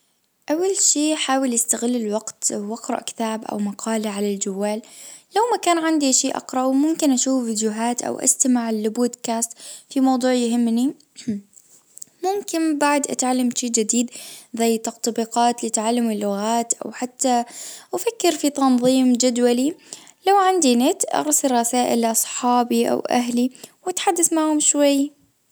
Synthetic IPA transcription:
ʔawːalʃiːħaːwɪljɪst̪aɣɪlːɪlwaqt̪waqɾˤɑ̰ʔkɪ̥t̪aːbʔa̰wmɑqʰɑːliʕalald͡ʒawːaːllawmakaːnʕand̪iʃiːʔɑ̰qɾˤɑʔwmʊmkɪnʔaʃuːfviːd̪jʊɦaːt̪ʔa̰wʔa̰st̪ɪmaʕɪlboːd̪kaːst̪fimɑwd̪ˤuːʕjhɪmːni | mʊmkɪnbaʕd̪ʔa̰t̪ʕalːamʃiːd͡ʒɪd̪iːd̪zajːt̪ɑq̚t̪ˤbiːqɑːt̪lɪt̪ʕalːamɪlːʊɣaːt̪ʔa̰wħat̪ːaʔafakːɪɾfit̪ɑnðˤiːmd͡ʒad̪walilawʕand̪inɪt̪ʔɑ̰ɾˤsɪrˤɑsaːʔɪ̰lʔɑsˤħɑːbiʔa̰wʔa̰ɦliwat̪ħad̪ːasmaʕhʊmʃwajː

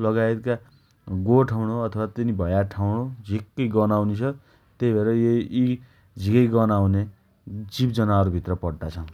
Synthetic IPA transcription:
lʌɡajt̪ka | ɡoʈʰawɽoʌt̪ʰʌwat̪inibʱʌjaʈʰawɽod͡zʱikːʌjɡʌnawnet͡sʰʌ | t̪ejbʱeɾʌji | d͡zʱikʌjɡʌnawne | d͡zipd͡zʌnaʌɾubʱit̪rʌpʌɽɖ̪at͡sʰʌ

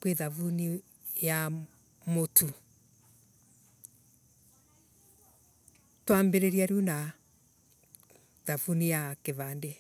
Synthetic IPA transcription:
kweðavuni | ja | motʰu | twambeɾeɾiaɾjuna | ðavunijakeβaːnde

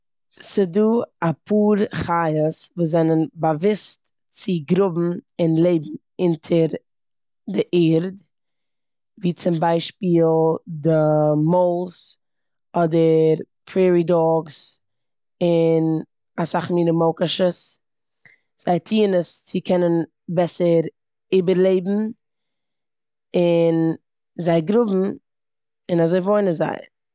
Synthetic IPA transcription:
sɪduːapʰuːɾχajəsvuːzɛnənbavɪst | t͡sɪɡɾʊbm̩ɪnlˠeɪbm̩ | ɪntʰəɾ | dɪʔiːɾd | viːt͡sɪmbaɪʃpiːlˠdɪmoʊlˠs | ɔdəɾpʰɾɛːɾidɔɡs | ɪn | asaχmiːnəmoʊkaʃəs | z̥aɪtʰiːnəst͡sɪkʰɛnən | bɛsəɾ | ebəɾlˠeɪbm̩ | ɪn | zaɪɡɾʊbm̩ | ɪnazoɪvoɪnəza̰ɪ

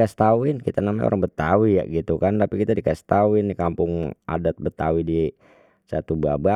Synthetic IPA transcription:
ast̪awɪnkit̪anamaɲo̰ɾaŋbət̪awija̰ʔɡit̪ukant̪apikit̪adikast̪awɪndikampʊŋa̰dat̪̚bət̪awidi | sat̪ubaba

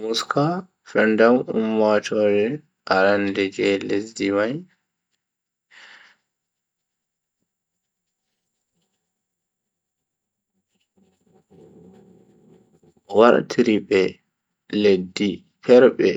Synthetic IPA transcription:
muskʰa | fɛndamṵmːatʰɔɾɛ | ʔaɾandɛd͡ʒɛlesdimaj | waɾtʰiɾibɛ | ledːi | pʰɛɾɓɛ

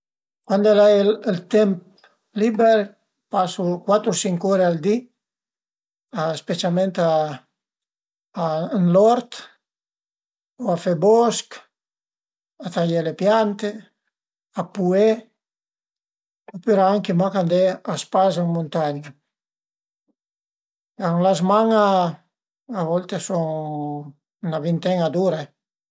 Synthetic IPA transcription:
kwand̪ɛlalelt̪ɛmp̚ | libɛɾ | pasukwat̪ɾusiŋkuɾeald̪i | aespet͡ʃalmẽnt̪a | nlɔɾt̪ | oafɛbɔsk | at̪ajelepjant̪e | apue | opyɾaaŋkemakand̪easpazaŋmunt̪aɲa | aŋlazmaŋa | aβɔlt̪esɔŋ | naβint̪ɛŋad̪uɾa

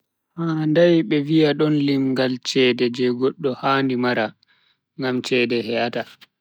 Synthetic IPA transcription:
haːndajɓɛviaɗɔnlimɡalt͡ʃɛːdɛd͡ʒɛɡɔɗːɔhaːndimaɾa | ŋɡamt͡ʃɛːdɛhɛjata

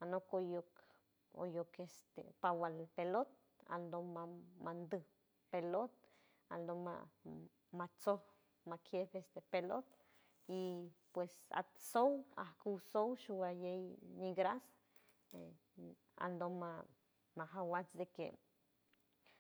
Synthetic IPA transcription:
anokojok | o̰jokest̪ḛpawalpelot̪̚ | a̰nd̪omamand̪ɨ | pelot̪̚ | a̰nd̪oma̰ | mat͡soh | makʰjebest̪epelot̪ | ipwesa̰t̪sowa̰hkuwsowʃuwajejniɡɾas | a̰nd̪oma | maɦawat͡sd̪ekḛ

